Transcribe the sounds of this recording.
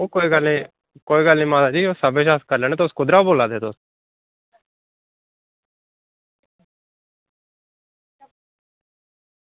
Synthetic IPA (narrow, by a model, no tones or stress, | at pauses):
oːkoːiːɡəle | koːiːɡəlːĩːmãːd̪aːd͡ʒioːsəbeːʃaːskəɾleːneːt̪oskʊd̪ɾaːboːlaːd̪eːt̪os